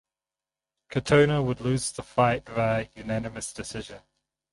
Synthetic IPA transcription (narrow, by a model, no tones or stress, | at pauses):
kʰətʰəʊnəwədˡlʉːz̥ðəfaɪʔvəjʉnænɪməsd̥ɪsɪʒə̃n